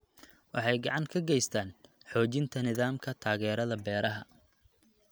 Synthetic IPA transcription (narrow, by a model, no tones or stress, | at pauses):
wɑ̰ħɑjɡɑʕɑŋkʰɐɡɛjst̪ʰaːnħɔːt͡ʃɪnt̪ʰɐnɪðaːmkʰɐt̪ʰaːɣɛːɾɐðɐbɛːɾɐɦɐ